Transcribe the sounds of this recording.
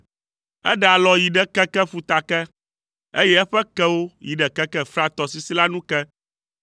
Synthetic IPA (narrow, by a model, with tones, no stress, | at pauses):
ɛ̰˦ɖɛ˨a˨lɔ˨ji˨ɖɛ˦kɛ˦kɛ˦ɸu˨t̪a˨kɛ˦ | ḛ˦jɛ˦ɛ˦ɸɛ˦kɛ˦wo˦ji˨ɖɛ˨kɛ˦kɛ˦fɾa˦t̪ɔ˨si˨si˦la˦nũ˦kɛ˦